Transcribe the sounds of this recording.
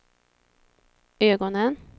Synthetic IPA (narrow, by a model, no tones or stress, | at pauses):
øːɡɔnən